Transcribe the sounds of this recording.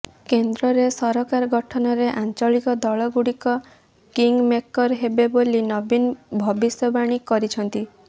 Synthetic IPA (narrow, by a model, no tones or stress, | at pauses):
kend̪ɾɔɾesɔɾɔkaɾɔɡɔʈʰɔnɔɾeʔant͡ʃɔɭikɔd̪ɔɭɔɡuɽikɔ | kiŋɡmekɔɾɦebebolinɔbinbʱɔbisjɔbaɽ̃ikɔɾit͡ʃʰɔnt̪i